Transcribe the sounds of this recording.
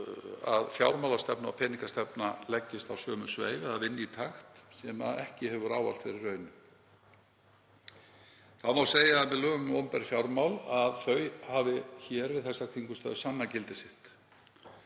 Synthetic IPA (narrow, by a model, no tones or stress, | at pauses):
aðfjawɾmawlast̪ɛpnaawpʰɛːniŋkast̪ɛpnalɛcːɪst̪awsœːmʏsvḛːjvðavɪnːɪit̪ʰaxt̪sɛmaðɛhcɪhɛvʏɾaːwva̰lt̪fɪɾɪrːœːɥnʏ | θaðmawseːjaðmɛðlœːɣŋmɔmpɛɾ̥fjawɾmawlaðθœːɥhavɪçɛːɾvɪðθɛsːakʰiŋkʏst̪œːðʏsanːacɪlt̪ɪsɪht̪